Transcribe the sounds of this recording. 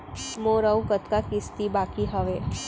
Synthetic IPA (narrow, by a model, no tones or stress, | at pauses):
mõɾəwkət̪kakist̪ibakiɦəʋe